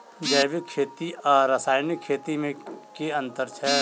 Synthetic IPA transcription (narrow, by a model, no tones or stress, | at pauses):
d͡ʒɐjʋɪkʰːeːt̪iɔɾəsaːjnɪkʰːeːt̪imẽkeɐ̃nt̪əɾt͡ʃʰɛ